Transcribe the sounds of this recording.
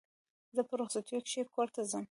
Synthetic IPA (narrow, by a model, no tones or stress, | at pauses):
zəpəɾoxsat̪ujokʃekoɾt̪azəm